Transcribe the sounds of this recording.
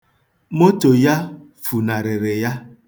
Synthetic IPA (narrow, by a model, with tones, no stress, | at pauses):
mo˦to˨ja˦ | fu˨na˨ɾɪ˨ɾɪ˨ja˦